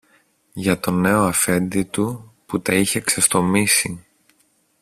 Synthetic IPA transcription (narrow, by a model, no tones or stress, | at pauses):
ʝɐt̪o̞ne̞o̞ɐfe̞nd̪it̪uput̪ɐiçe̞ksest̪o̞misi